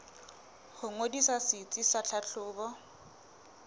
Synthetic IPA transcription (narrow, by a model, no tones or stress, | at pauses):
hʊŋodisasɪt͡sʼisat͡ɬʰaɬʰʊːbɔ